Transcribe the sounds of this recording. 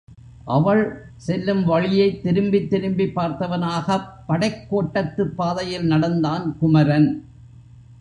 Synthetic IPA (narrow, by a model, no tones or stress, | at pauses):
ʔɐʋɐɭ | sɛlːɯmʋɐɻɪjɐɪt̪ːɪɾɯmbɪt̪ːɪɾɯmbɪpːaːɾt̪ɐʋɐnaːɣɐpːɐɽɐɪkːoːʈːɐt̪ːɯpːaːðɐjɪlnɐɽɐnd̪aːnkʊmɐɾɐn